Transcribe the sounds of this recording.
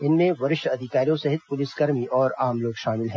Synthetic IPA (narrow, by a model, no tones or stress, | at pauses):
ɪnmẽʋɐɾɪʃɐd̪ʱɪkaːɾijõsɐɦɪt̪̚pʊlɪsɡɐɾmiʔɔːɾaːmloːɡʃaːmɪlɦɛ̃ː